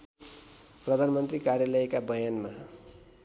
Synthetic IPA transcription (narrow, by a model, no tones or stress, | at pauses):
prʌd̪ʱanmʌnt̪rikarjalʌjkabʌjanma